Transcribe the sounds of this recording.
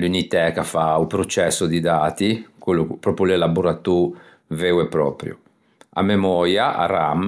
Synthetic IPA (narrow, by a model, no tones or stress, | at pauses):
lunit̪ɛkafaupɾot͡ʃɛsːʊd̪id̪aːt̪ikelːupːɾɔpɾjulɛlabuɾat̪u | vɛwɛpːɾɔ̰ːpɾjṵ | a̰mːɛmɔːɾjaʔa̰ram